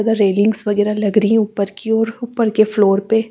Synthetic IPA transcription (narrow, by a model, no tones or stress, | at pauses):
ad̪aɾeːlɪ̃ŋɡsʋɐɡɛːɾalɐɡɾiĩʊpəɾkiɔːɾʊpːəɾkefloːɾpe